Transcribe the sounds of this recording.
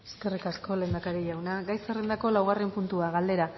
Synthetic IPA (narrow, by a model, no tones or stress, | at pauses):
e̥ske̞rikasko̞le̞ːnd̪akaɾiʎawnaɡajserend̪ako̞lawɣare̞mpunt̪uaɣald̪e̞ɾa